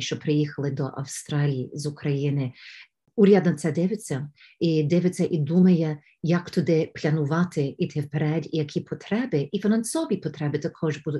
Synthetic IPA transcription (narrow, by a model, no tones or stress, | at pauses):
ʃt͡ʃɔpɾɪjixɐlˠɪd̪ɔʔɐ̰wst̪ɾɑlʲijizʊkɾɐjinɪ | uɾʲad̪nɐt̪sɛd̪ɪʋɪt͡sʲːɐ | id̪ɪʋɪt͡sʲːɐʔid̪umɐjɛ | jɐkt̪ɔd̪ɪplʲɐnʊʋɑt̪ɪit̪ʰɪwpeɾɛdʲijɐkʲʰipʰɔt̪ɾɛbɪʔifʲinɐnsɔʋʲipɔt̪ɾɛbɪt̪ɐkʰɔʒbud̪ʊ